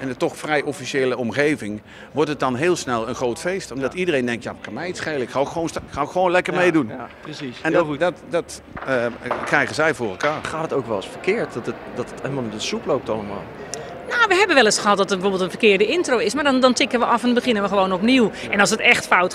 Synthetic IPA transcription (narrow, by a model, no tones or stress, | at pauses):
ɛndətɔχfrɛjʔɔfiʃeːləɔmχejvɪŋ | ʋɔɹtət̚dɑnɦɪːlˠsnɛlˠənχrowtfejstɔmdɑtidərejndɛŋktjaːəkamɛjitsχejləɪkχaːokχʋownsɪkχaːokχəʋownlɛkəɹmejdunpəiɛnddtdɑt | krɛjχənzɛjvʊːrɛlˠkaːɹχaːtətowkʋɛlˠɑsfəɹkɪːɹt̚dtətdɑtətɛmalˠinənsuplowp̚tɑlˠəma̰ːlˠ | nowʋəɦɛbənʋɛlˠɪsχəɦɑt̚dɔtəbəfoːbɪəlˠtənfəkɪːɹdəɪntrowɪsmaːɹdɔndɔntɪkənʋəʔɑfɛnbəχɪnənʋəχəʋownɔpniwʔɛnɔlˠsətɛχtfawt